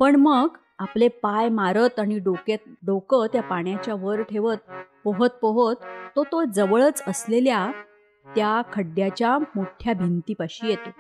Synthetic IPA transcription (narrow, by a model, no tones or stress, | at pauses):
pəɳməɡ | aplepajmaɾət̪aɽ̃iɖoket̪̚ɖokət̪japaɳ̃jat͡ɕjaʋəɾʈʰeʋət̪̚pəɦət̪̚pəɦət̪ːot̪od͡zəʋəɭət͡səslelja | t̪jakʰəɖjat͡ɕjamoʈʰjabʱint̪iːpaɕiːjet̪o